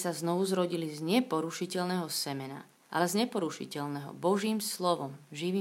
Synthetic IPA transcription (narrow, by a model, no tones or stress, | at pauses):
saznɔʋuzɾɔɟilizɲɛpɔɾuʃicɛlnɛɦɔsɛmɛna̰ | ʔa̰lɛzɲɛpɔɾuʃḭcɛlnɛɦɔ̰bɔʒiːmslɔʋɔmʒiʋiː